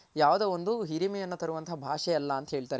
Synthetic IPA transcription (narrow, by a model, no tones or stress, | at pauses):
jaːʋud̪ɐond̪uɦiɾimɛjɐnːɐt̪ɐɾuʋɐnt̪ʰɐɦbʱaːʂɛjɐlːɐːnt̪ɐɦeːɭit̪aːɾe